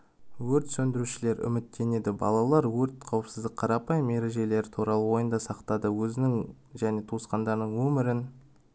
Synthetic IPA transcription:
wɵɾt̪sɵnd̪ɪɾuʃɪle̞ɾʏ̰mɪt̪ːe̞ne̞d̪ɪbɑ̰lˠɑlˠɑɾwɵɾt̪qʰɑwəpsɪzd̪ɪk̚qʰɑɾɑpɑjme̞ɾe̞ʒe̞le̞ɾɪt̪ʰuɾɑlˠəwo̞jənd̪ɑsɑqt̪ɑd̪əwɵzɪnɪŋʒæne̞t̪ʰosqɑnd̪ɑɾnəɴwɵmɪɾɪn

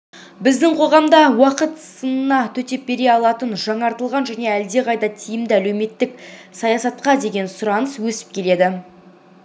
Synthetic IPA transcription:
bɪzd̪ɪɴqʰo̞ʁɑmd̪ɑwɑqət̪sənənɑt̪ʰɵt̪e̞p̚be̞ɾe̞ɑlˠɑt̪ənʒɑɴɑɾt̪əlˠʁɑnʒæne̞æld̪e̞qɑjd̪ɑt̪ʰijɪmd̪ɪælɵwme̞t̪ːɪksɑjɑsɑt̪̚qɑd̪e̞ɡʲe̞nsʊɾɑnəswɵsɪ̥p̚kʲʰe̞le̞d̪ɪ

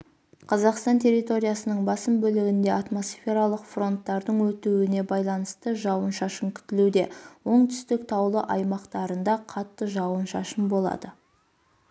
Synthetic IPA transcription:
qʰɑzɑqst̪ɑnt̪ʰʲe̞ɾijt̪o̞ɾijasənəɴbɑsəmbɵlɪɡʲɪnd̪e̞ɑt̪mo̞sfʲe̞ɾalˠəqfro̞nt̪ːɑɾd̪əɴwɵt̪uwɪne̞bɑjlˠɑnəst̪əʒɑwənʃɑʃəmkʲʰʏ̥t̪ɪlud̪e̞wo̞ɴt̪ʰʏ̥st̪ɪk̚t̪ʰɑwlˠəʔɑjmɑqt̪ɑɾənd̪ɑqʰɑt̪ːəʒɑwənʃɑ̰ʃəmbo̞lˠɑ̰d̪ə

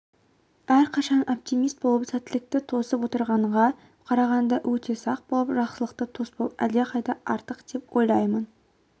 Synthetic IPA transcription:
æɾqʰɑʃɑno̞p̚t̪ijmijst̪̚bolˠəpsæt̪ːɪlɪk̚t̪ɪt̪ʰo̞səpwo̞t̪əɾʁɑɴʁɑ | qʰɑɾɑʁɑnd̪ɑwʔɵt̪ʰe̞sɑq̚bo̞lˠəpʒɑqsəlˠəqt̪ət̪ʰo̞sboæd̪jeqɑjd̪ɑɑɾt̪əqd̪̥e̞pwo̞jlˠɑjmən

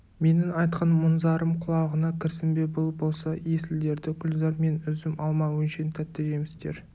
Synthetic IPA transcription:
me̞nɪŋɑjt̪qɑnmʊnzɑɾəmqʰʊlˠɑʁənɑkʲʰɪɾsɪmbe̞bʊlˠbo̞lˠsɑjesɪld̪e̞ɾd̪ɪkʲʰʏlzɑɾme̞nʏzɪmɑlˠmɑwɵnʃe̞nt̪ʰæp̚t̪ːeʒemɪst̪e̞ɾ

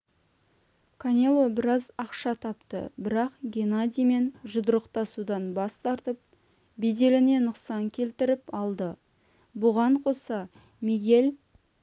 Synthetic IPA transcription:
kʰanʲelˠobɪɾɑzɑqʃɑt̪ʰɑpt̪ə̰bɪɾɑqɡʲenad̪ʲijme̞nʒʊd̪əɾəqt̪ɑsud̪ɑnbɑst̪ɑɾt̪əp̚ | bed̪e̞lɪne̞nʊqsɑŋkʲʰe̞lt̪ɪɾɪpɑlˠd̪ə | bʊʁɑɴqʰo̞sɑ | meɡʲe̞l

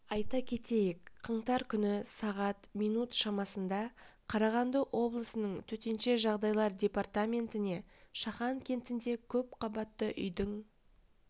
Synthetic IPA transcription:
ɑjt̪ɑkʲʰe̞t̪e̞jɪkqʰəɴt̪ɑɾkʲʰʏnɪsɑʁɑt̪mijnut̪ʃɑmɑsənd̪ɑqʰɑɾɑʁɑnd̪əʔwʔo̞blˠəsənəɴt̪ʰɵt̪e̞nʃe̞ʒɑʁd̪ɑjlˠɑɾdʲe̞part̪amʲe̞nt̪ɪne̞ʃɑχɑŋkʲʰe̞nt̪ɪnd̪e̞kʲʰɵp̚qʰɑbɑt̪ːəʔʏ̰jd̪əŋ

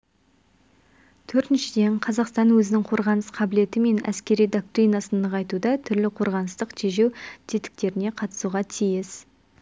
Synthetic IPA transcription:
t̪ʰɵɾt̪ɪnʃɪd̪e̞ɴqʰɑzɑqst̪ɑnwɵzɪnɪŋqʰo̞ɾʁɑnəsqʰɑbɪle̞t̪ɪme̞næ̰skʲe̞ɾijd̪o̞k̚t̪ɾijnɑsənəʁɑjt̪ud̪ɑt̪ʰʏɾlɪqʰo̞ɾʁɑnəst̪əqt̪ʰeʒe̞wt̪ʰet̪ɪ̥k̚t̪e̞ɾɪne̞qʰɑt̪ə̥suʁɑt̪ʰijɪs

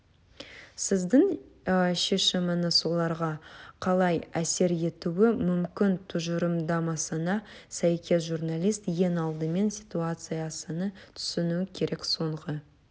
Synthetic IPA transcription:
sɪzd̪ɪɴ | ʃe̞ʃɪmɪnəso̞lˠɑɾʁɑqʰɑlˠɑjæse̞ɾe̞t̪uwɪmʏmkʲɪnt̪ʰʊʒəɾəmd̪ɑmɑsənɑsæjkʲʰe̞s̬ʒurnalˠijst̪je̞nɑlˠd̪əme̞nsʲit̪uat̪sɨjasənət̪ʰʏ̥sɪnukʲʰe̞ɾʔe̞kso̞ɴʁə

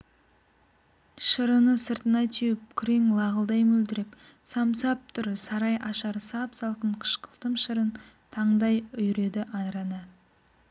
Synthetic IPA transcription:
ʃəɾənəsəɾt̪ənɑjt̪ʰijɪp̚kʲʰʏɾeŋlˠɑʁəlˠd̪ɑjmɵld̪ɪɾɪp | sɑmsɑp̚t̪ʰʊɾɪsɑɾɑjʔɑʃɑɾsɑpsɑlˠqəɴqʰə̥ʃqʰəlˠt̪əmʃəɾən | t̪ʰɑɴd̪ɑjʏjɾe̞d̪ɪʔɑnɾɑnɑ

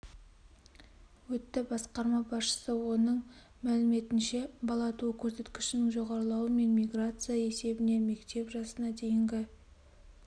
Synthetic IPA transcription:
wɵt̪ːɪbɑsqɑɾmɑbɑsʃə̥səwo̞nəɴ | mælɪme̞t̪ɪnʃe̞bɑlˠɑt̪ukʲʰɵɾse̞t̪kʲɪ̥ʃɪnɪŋʒo̞ʁɑɾəlˠɑwəme̞nmʲijɡrat̪sɨjae̞se̞bɪne̞me̞kt̪e̞pʒɑsənɑd̪e̞jɪŋɡʲɪ

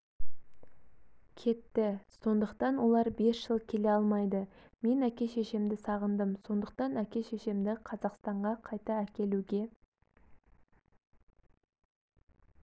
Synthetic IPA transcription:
kʲʰe̞t̪ːɪso̞nd̪əqt̪ɑnwo̞lˠɑɾbe̞sʒ̥əlˠkʲʰe̞le̞ɑlˠmɑjd̪ə | me̞nækʲe̞ʃe̞ʃɪmd̪ɪsɑʁənd̪əmso̞nd̪əq̚t̪ɑnækʲe̞ʃe̞ʃɪmd̪ɪqʰɑzɑqst̪ɑɴʁɑqʰɑjt̪ɑækʲe̞luɡʲe̞

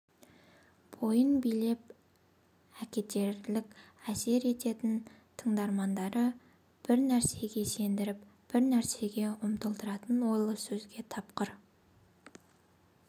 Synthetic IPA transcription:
b̥o̞jənbijle̞p̚ | ækʲe̞t̪e̞ɾlɪkʲæse̞ɾe̞t̪e̞t̪ɪn | t̪ʰəɴd̪ɑɾmɑnd̪ɑɾə | b̥ɪɾnæɾse̞ɡʲe̞se̞nd̪ɪɾɪpb̥ɪɾnæɾse̞ɡʲe̞ʊmt̪əlˠt̪əɾɑt̪ənwo̞jlˠəsɵzɡʲe̞t̪ʰɑpqəɾ

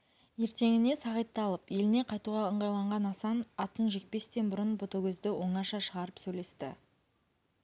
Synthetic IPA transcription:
je̞ɾt̪e̞ŋɪne̞sɑʁəjt̪ːɑlˠəpje̞lɪne̞qʰɑjt̪uʁɑəɴʁɑjlˠɑɴʁɑnɑsɑnɑt̪ənʒe̞k̚pe̞st̪e̞nbʊɾənbot̪oɡʲɵzd̪ɪwo̞ɴɑʃɑʃəʁɑɾəpsɵjle̞st̪ɪ̰

